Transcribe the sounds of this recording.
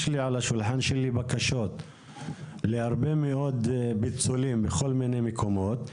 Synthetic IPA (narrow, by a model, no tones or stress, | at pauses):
ʃliʕalaʃulħanʃelibakaʃo̞t̪ | lehaʁbemeʔo̞d̪bit͡sulimbeχo̞lminejmekʰo̞mo̞t̪